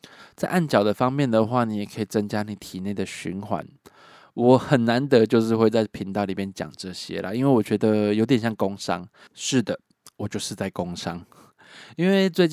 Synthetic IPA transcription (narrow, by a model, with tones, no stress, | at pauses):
t͡sa˥˧ɪʔa˥˩nt͡ɕjɑ˨˩ʊd̪ə˩fɑ˦ŋmjɛ˥˨˩nd̪ə˩xwa˥˨ni˨˦jɛ˨˩kʰə˧˦˥i˨˩t͡sə˦˥ŋt͡ɕja˥ni˨˩t̪ʰi˨˩ne˥˩ɪd̪ə˩ɕy̰˧˦nxwa̰˨˦n | wɔ˨˦xə˨˩nːa˨˧˦nt̪ə˧˦t͡ɕjo˥˧ʊʂɻ̩˥˧xwe˥˧ɪt͡sa˥˩ɪpʰi˧˥˦ŋt̪ɑ˥˩ʊli˨˩bjɛ˥nt͡ɕjɑ̰˨˩ŋʈ͡ʂɤ˥˨ɕjɛ̰˦˥la̰˨i˥nwe˥˩ɪwɔ˨˩t͡ɕɥɛ˧˥d̪ə˨jo˧˥ʊjɛ˨˩nɕjɑ˥˩ŋko˦˥ŋʂɑ̰˥ŋ | ʂɻ̩˥˩d̪ə˩ | wɔ˨˩t͡ɕjo˥˧ʊʂɻ̩˥˧t͡sa˥˩ɪko˦ŋʂɑ˦ŋ | i˥nwe˥˩ɪt͡swe˥˧ɪt͡ɕ